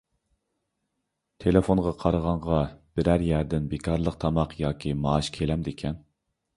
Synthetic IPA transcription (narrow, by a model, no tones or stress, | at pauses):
t̪ʰelefonʁɑqʰɑɾəʁɑɴʁɑb̥ɪɾæɾjæɾd̪ɪnbekʰɑɾlˠəqt̪ʰɑmɑqjɑːkʲʰimɑːʃkʲʰelɛmd̪ekʲʰɛn